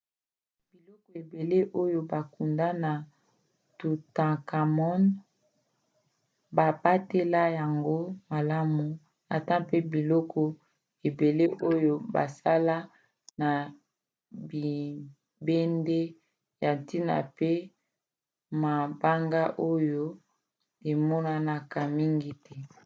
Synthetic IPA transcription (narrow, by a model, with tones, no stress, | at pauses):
b̥i˨lɔ˦kɔ˨e˨be˨le˦ʔo˦jo˦ba˨ku˨nda˦na˨ | tu˨tã˨ka˨mɔ˦n | ba˨ba˦te˦la˦ja˨ŋɡo˦ma˨la˦mu˨ | a˨ta˦pe˦bi˨lɔ˦kʰɔ˨ | e˨be˨le˦ʔo˦jo˦ba̰˨sa˦la˦ | na˨ | bi˨ | be˦nde˦ | ja˨nti˦na̰˨pe˦ | ma˨ba˦ŋɡa˦ʔo˦jo˦ | e˨mɔ˦na˦na˨ka˨mi˦ŋɡi˦tʰɛ˦